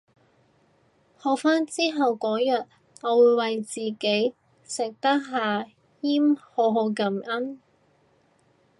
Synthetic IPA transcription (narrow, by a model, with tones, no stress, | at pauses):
hɔː˨k̚faː˥nt͡siː˥ɦɐ˨wkɔː˨˥jɐ˨t̚ | ɐ˨˧wuː˨˧jwɐ˨jt͡siː˨˩ke˨˥j | sɪ˨k̚t̪ɐ˥k̚ɦaː˨ | jiː˥mhoː˨˧ɦo˨˧wkɐ˨˩mʔɐ˥n